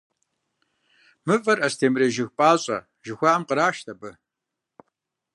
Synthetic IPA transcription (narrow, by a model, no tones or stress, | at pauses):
mɨfʼɐrʔɐstʰeːmreːʒɪxpʼaːɕʼɐ̰ | ʒɪxʷaːʔɐmqəɾaːʃtʰɐbɨ